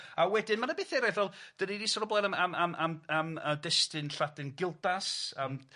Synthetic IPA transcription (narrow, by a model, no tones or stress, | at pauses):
awɛdɪnmanabɪːθɛɾajθɛlˠd̥ənidisɔɾɔblˠɛnamamamamamədɛstɨnɬadɪnɡɪlˠdasam